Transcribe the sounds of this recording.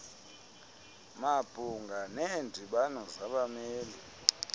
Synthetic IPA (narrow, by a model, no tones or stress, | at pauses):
mab̥ʼʱuŋɡʱanɛndʱiɓanɔzaɓamɛːli